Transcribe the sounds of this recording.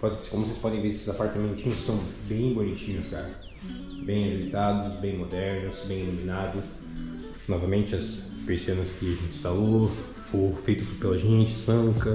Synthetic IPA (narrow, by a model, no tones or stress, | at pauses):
pɔd͡ʒsɪ̥kõmʊosespɔd̪ẽj̃veɾesɪzapaɾt̪ɐmẽnt͡ʃĩɲʊsːɐ̃w̃bẽj̃bonit͡ʃĩɲʊska̰ɾɐ | bẽj̃avit̪ad̪ʊsbẽj̃mod̪ɛɾnʊsbẽj̃elumĩnad̪ʊ | nɔvɐmẽnt͡ʃɪɐs | peɾsiẽnɐskɪẽɪ̥st̪alo | fofejt̪ʊspelɐʒẽnt͡ʃɪ̥sɐ̃ŋkɐ